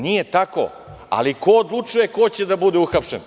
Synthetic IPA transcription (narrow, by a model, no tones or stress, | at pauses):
nije̞t̪ako̰ | a̰liko̞ːd̪lˠut͡ʂuje̞kot͡ɕed̪abud̪euxapʃen